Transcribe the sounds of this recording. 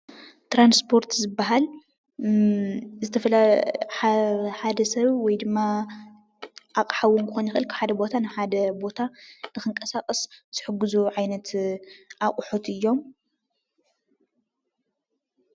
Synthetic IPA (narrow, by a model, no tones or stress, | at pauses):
t̪ɾanspʰo̞ɾt̪zɨbːaɦal | zɨt̪ʰɐfɐla | ħad̪ɐsɐβwɔjd̪ɨmːa | ʔakʼħawunkʰɨxonjɪxʔɨlkʰħad̪ɐbo̞t̪ʰanɨħad̪ɐbo̞t̪ʰanɨxɨŋkʼɐsakʼɐsz̥ɨħɨɡːɨzuʕajnɐt̪ʔakʼʊħot̪ɨjːo̞m